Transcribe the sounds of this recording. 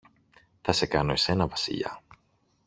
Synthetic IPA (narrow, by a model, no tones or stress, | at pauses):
θɐse̞kɐno̞ese̞nɐvɐsḭʎɐ̰